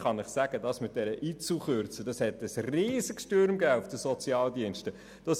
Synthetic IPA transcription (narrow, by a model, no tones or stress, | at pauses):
χɑnɪχsæɡ̥ədɑsmɪt̚d̥ɛɾəʔiːt͡suχøɾt͡səd̥ɑshɛtəsriːzəksʃtøɾmɡæːufd̥əsɔt͡siɑːldiənʃtə | d̥ɑs